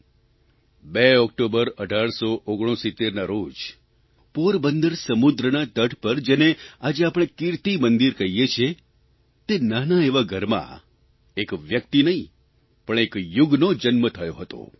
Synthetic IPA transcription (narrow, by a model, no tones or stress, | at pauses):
beɔkʈobəɾəɖʱaɭsoʔoɡɽ̃õsit̪ːeɾnaɾod͡ʒ | poɾbənd̪əɾsəmud̪ɾənat̪əʈʰpəɾd͡ʒenead͡ʒeapɽ̃ekɪɾt̪imənd̪iɾkəɦijet͡ʃʰe | t̪enanaeʋaɡʱəɾmã̰ | ekʋjək̚t̪inəɦĩ | pəɳ̃ekjʊɡnod͡ʒənmət̪ʰəjoɦət̪o̰